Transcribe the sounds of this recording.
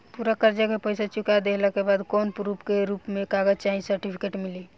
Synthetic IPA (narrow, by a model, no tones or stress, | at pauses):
puɾakəɾd͡ʒakepəjsat͡ʃukad̪eləkebad̪kɔnpɾupkeɾupmẽkaɡəd͡ʒt͡ʃaɦĩsəɾʈipʰi̥keʈmili